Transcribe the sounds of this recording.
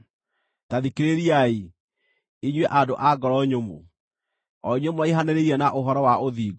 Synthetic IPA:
taðikeɾeɾiai | iɲwɛʔadoʔaɡɔɾɔɲomo̰ | ɔɲomwɔeɦaneɾeɾiɛnaʔoɦɔɾɔwaʔoðiːɡ

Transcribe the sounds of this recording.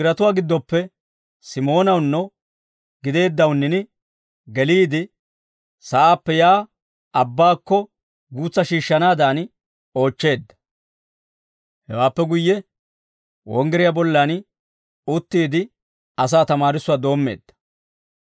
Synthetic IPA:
ɪɾɐt̪ʊwaːɡɪd̪ːɔpːɛ | sɪmo̞ːnɐwnːɔ | ɡɪd̪e̞ːd̪ːɐwnːɪnɪ | ɡɛliːd̪ɪ | sɐʔaːpːɛjaː | ʔɐbːaːkːɔ | ɡuːt͡sːɐʃiːʃːɐnaːd̪aːn | o̞ːt͡ʃːe̞ːd̪ːɐ̥ | hɛ̰waːpːɛɡʊjːɛ | wɔ̰ŋɡɛɾɪjabɔlːan | ʊt̪ːiːd̪ɪ | ɐs̬aːt̪ɐmaːɾɪsʊwaːd̪o̞ːmːe̞̰ːd̪̥ːɐ̥

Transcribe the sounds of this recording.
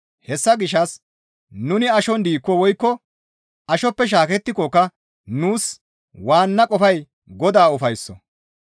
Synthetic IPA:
hɛsːɐɡɪʃɐs | nʊnɪɐʃɔnd̪iːkːɔwɔjkːɔ | ɐʃɔpːɛʃ̬aːkɛt̪ːɪkɔkːɐ | nuːs | waːnːɐkʼɔfɐj | ɡɔd̪aːʊfɐjsːɔ

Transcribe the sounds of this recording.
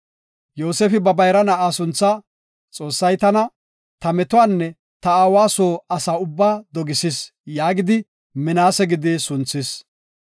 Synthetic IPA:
joːseːfɪbɐbɐjɾɐnɐʔaːsʊnt͡sːɐ | t͡sʼo̞ːsːɐjt̪ɐnɐ | t̪ɐmɛt̪ʊaːnːɛ | t̪ɐaːwaːsoːɐsaːʊbːaːd̪ɔɡɪsɪs | jaːɡɪd̪ɪ | mɛnaːsɛɡɪd̪ɪsʊnt͡sːɪs

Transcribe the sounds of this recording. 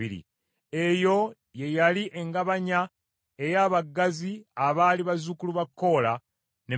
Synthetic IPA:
iɾḭ | e̞jo̞ | je̞jaliʔe̞ŋɡaβaɲa | e̞jaːβaɡːaziaβaːliβazukuluβakːo̞ːla | ne

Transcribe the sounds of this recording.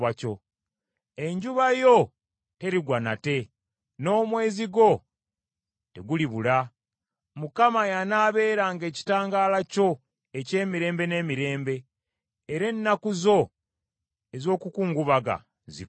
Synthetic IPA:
aco̞ | e̞ɲɟuβajo̞ | te̞ɾiɡwanate̞ | no̞ːmwe̞ːziɡo̞ | te̞ɡuliβula | mukamajanaːβe̞ːɾaŋɡe̞ːci̥taːŋɡaːlaco̞ | e̞ce̞ːmiɾe̞ːmbe̞ne̞ːmiɾe̞ːmbe̞ː | ɾe̞nːakuzo̞ | e̞zo̞ːkukuːŋɡuβaɡa̰ | zḭ

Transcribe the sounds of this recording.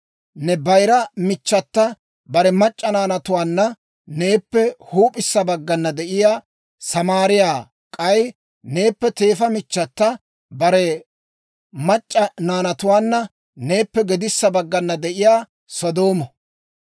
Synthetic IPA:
nɛbɐjɾɐmɪt͡ʃːɐt̪ːɐ | bɐɾɛmɐt͡ʃʼːɐnaːnɐt̪ʊwaːnːɐ | ne̞ːpːɛhuːpʼɪsːɐbɐɡːɐnːɐd̪ɛʔɪjaː | sɐmaːɾɪjaː | kʼɐj | ne̞ːpːɛt̪e̞ːfɐmɪt͡ʃːɐt̪ːɐ | bɐɾɛ | mɐt͡ʃʼːɐnaːnɐt̪ʊwaːnːɐ | ne̞ːpːɛɡɛd̪ɪsːɐbɐɡːɐnːɐd̪ɛʔɪjaː | sɔd̪o̞ːmɔ

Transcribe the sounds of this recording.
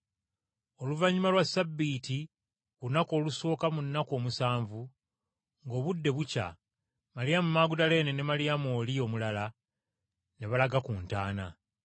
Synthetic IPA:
o̞luvaɲːumalwasːabːiːti | βunako̞ːluso̞ːkamunːako̞ːmusaːɱvu | ŋɡo̞ːβudːe̞βuca̰ | malijamumaːɡudale̞nene̞malijamo̞ːlio̞mulala | ne̞βalaɡakuːntaːna̰

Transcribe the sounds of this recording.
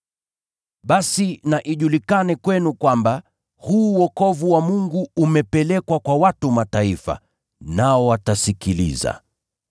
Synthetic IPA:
ɓasinaʔiʄulikanɛkwɛnukwamba | huːwɔkɔvuwamuŋɡuːmɛpɛlɛkwakwawatumataifa̰ | naɔwatasikilḭza̰

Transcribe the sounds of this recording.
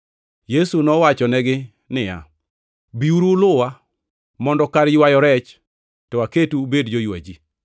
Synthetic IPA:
jesunɔwat͡ʃɔnɛɡɪ | nɪja̰ | biuɾulʊwa | mɔndɔkaɾjwajɔɾɛt͡ʃ | tɔaketubedd͡ʒojwa̰d͡ʒi

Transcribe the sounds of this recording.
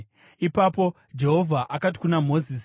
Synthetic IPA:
ipapo̞ | d͡ʒe̞ɦo̞vʱaʔakati̥kunam̤o̞zis

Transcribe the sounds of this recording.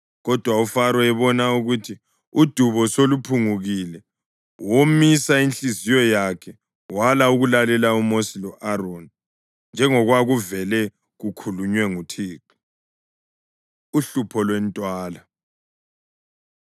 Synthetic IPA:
ɣɔd̥ʱwaufaɾɔɛβɔnauɣutʰi | ud̥ʱuβɔsolupʰuŋuɣilɛ | womisainɬizijɔjakʰɛ | walauɣulalɛlaumosilɔʔaɾoni | nd͡ʒʱɛŋɔɣwaɣuvɛlɛ | ɣukʰuluɲwɛŋutʰiːki̥ | uɬupʰɔlwɛntʼwaːla

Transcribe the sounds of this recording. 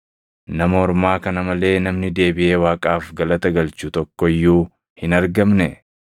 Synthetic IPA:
nɐmɐɔɾmaːkɐnɐmɐle̞ːnɐmnɪd̪e̞ːbɪʔe̞ːwaːkʼaːfɡɐlɐt̪ɐɡɐlt͡ʃut̪ɔkːɔɪjːuː | hɪnɐɾɡɐmnɛ

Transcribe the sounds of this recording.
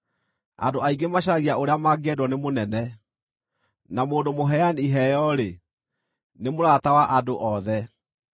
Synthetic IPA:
a̰ndoaiɡemaɕ̬aɣiaoɾeamaɡɛdwɔnemonɛnɛ | namoːndomoɦɛjaniɦɛjɔɾe | nemoɾatawaʔadoʔɔðɛ

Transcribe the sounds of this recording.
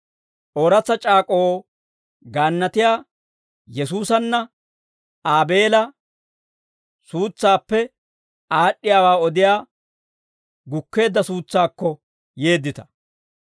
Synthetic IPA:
ʔoːɾɐt͡sːɐt͡ʃʼaːkʼo̞ː | ɡaːnːɐt̪ɪjaː | jɛsuːsɐnːɐ | aːbe̞ːlɐ | suːt͡sːaːpːɛ | ʔaːɗːɪjaːwaːɔd̪ɪjaː | ɡʊkːe̞ːd̪ːɐsuːt͡sːaːkːɔ | je̞ːd̪ːɪt̪ɐ̥

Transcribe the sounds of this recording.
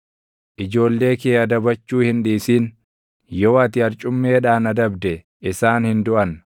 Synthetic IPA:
ʔɪd͡ʒo̞ːlːe̞ːkeːɐd̪ɐbɐt͡ʃːuːhɪnᶑiːsiːn | jɔwɐt̪ɪhɐɾt͡ʃʼʊmːe̞ːᶑaːnɐd̪ɐbd̪ɛ | ɪsaːnhɪnd̪ʊʔɐn

